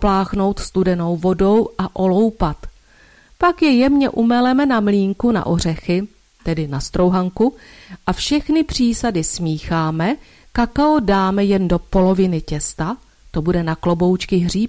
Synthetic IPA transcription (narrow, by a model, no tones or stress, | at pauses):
plaːxno̞wt̪st̪udɛno̞wvo̞do̞wʔaʔo̞lo̞wpat̪ | pakjɛjɛmɲɛʔumɛlɛmɛnamliːŋkuna̰ʔo̞r̝ɛxɪ | t̪ɛdɪnast̪ɾo̞wɦaŋkuʔafʃɛxnɪpr̝̥iːsadɪsmiːxaːmɛ | kakaodaːmɛjɛndo̞po̞lo̞vɪnɪcɛst̪a | t̪o̞budɛnaklo̞bo̞wt͡ʃkɪɦr̝iːp